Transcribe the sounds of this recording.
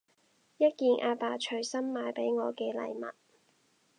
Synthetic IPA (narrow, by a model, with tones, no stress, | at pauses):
jɐ˥t̚kiː˨nʔaː˧paː˧t͡ʃʰɵ˨˧ɥsɐ˥mːaː˨˧jpe˨˥jŋɔː˨˧kɛː˧lɐ̰˨˧jmɐ̰˨t̚